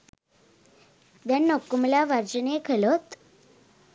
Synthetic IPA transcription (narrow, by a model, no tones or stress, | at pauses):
b̪janːokːumlaʋaɾd͡ʑənekʰelot̪